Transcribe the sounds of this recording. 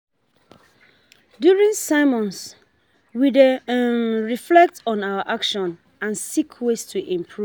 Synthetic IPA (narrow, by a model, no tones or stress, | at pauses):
djuɹĩŋsaɪmɔ̃ns | wide | ɹiflɛk̚tɔ̃nawəʔakʃɔ̃n | ãnsikʰwestʰuʔĩmpʰɹu